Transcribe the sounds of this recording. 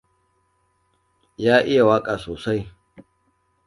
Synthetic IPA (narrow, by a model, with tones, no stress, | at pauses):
jaː˦ʔɪ˦ja˨waː˦kʼaː˨soː˨sa˦j